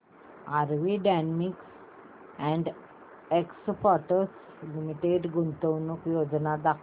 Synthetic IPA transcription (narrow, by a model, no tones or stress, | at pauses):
aɾʋiɖanmiks | ɛ̃ɳɖ | ekspɔʈəs | limiʈeɖɡunt̪əwnukjod͡znad̪akʰ